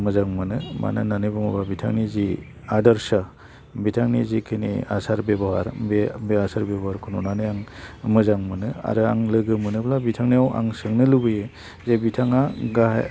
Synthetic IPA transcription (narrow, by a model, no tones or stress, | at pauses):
mɯzaŋmɯnɯma̰nɯnanibɯmɔbabitʰaŋnizi | adaɾsa | bitʰaŋnizikʰinḭa̰saɾbebɔha̰ɾbebeasaɾbebɦaɾkʰununanɯjaŋmɯzaŋmɯnɯa̰ɾɯa̰ŋlɯɡɯmɯnɯblabitʰaŋnijawa̰ŋsɯŋnɯlubɯjɯ | zebitʰaŋaɡaɦ